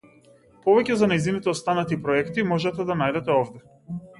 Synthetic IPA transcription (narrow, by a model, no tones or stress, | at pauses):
pɔvɛcʲɛzanajzinit̪ɛɔst̪anat̪ipɾɔɛkt̪imɔʒɛt̪ɛd̪anajd̪ɛt̪ɛɔvd̪ɛ